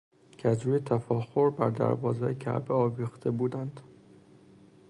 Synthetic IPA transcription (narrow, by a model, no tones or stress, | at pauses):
cʰæd͡ʒɾuet̪ʰæfɒːxoɾbæɾd̪æ̰ɾbɒːzeːjecʰæ̰ʔbeɒːviːxt̪ʰebuːd̪ænd̪̥